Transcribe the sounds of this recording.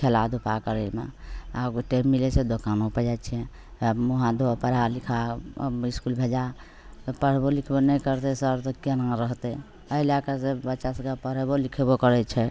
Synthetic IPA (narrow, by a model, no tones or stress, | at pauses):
kʰelad̪upakəɾelmḛa̰ʈemːilet͡ʃʰed̪okanõpəd͡ʒat͡ʃʰiɛ̃ | muɦãd̪opəɾalikʰa̰iskulbʱed͡ʒa | pəɽ̤bolikʰebonɛjkəɾt̪ɛsəɾt̪ɔkənãɾəɦt̪ɛ | əilakasebətːʃasə̃kapəɽebolikʰebokəɾɛt͡ʃʰɛ